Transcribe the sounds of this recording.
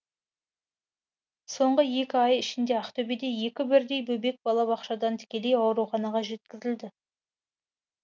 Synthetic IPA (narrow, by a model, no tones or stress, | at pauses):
so̞ɴʁəje̞kʲɪɑjɪʃɪnd̪e̞ɑqt̪ʰɵbed̪e̞je̞kʲɪbɪɾd̪e̞jbɵbe̞k̚bɑlˠɑbɑqʃɑd̪ɑnt̪ʰɪ̥kʲe̞le̞jɑwɾuχɑnɑʁɑʒe̞t̪̚kʲɪzɪld̪ɪ